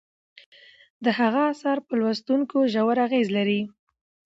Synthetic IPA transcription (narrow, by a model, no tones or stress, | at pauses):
d̪əhaɣaːsɑɾpəlwast̪uŋkoʒawaɾaɣezlaɾi